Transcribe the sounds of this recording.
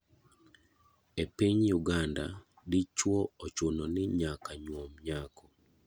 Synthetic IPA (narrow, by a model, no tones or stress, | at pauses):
epiɲjuɡanda | dɪt͡ʃwɔot͡ʃonɔnɪɲakaɲwomɲakɔ